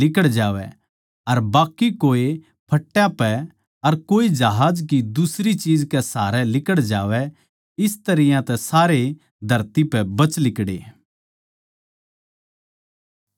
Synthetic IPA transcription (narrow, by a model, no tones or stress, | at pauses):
lɪkəɽd͡ʒaːʋɛ̰ | ɐɾbaːkːikoːe | pʰɐʈːjapɛ | ɐɾkoːid͡ʒɐɦaːd͡ʒkid̪usɾit͡ʃiːd͡ʒkɛsaːɾɛlɪkəɽd͡ʒaːʋɛ | ɪst̪ɐɾɪjãt̪ɛsaːɾe | d̪ʱɐɾt̪ipɛbɐt͡ʃlɪkɽḛː